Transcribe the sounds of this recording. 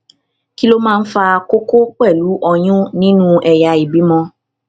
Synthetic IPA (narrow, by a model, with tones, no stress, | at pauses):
ki˦lo˦mãː˦˧n̩˦fa˧ko˦ko˦k͡pɛ˦˨lu˨˦ʔɔ˧j̃ũ˦nĩ˦nũ˦ʔɛ˨ja˨i˨bi˨˦mɔ̃˧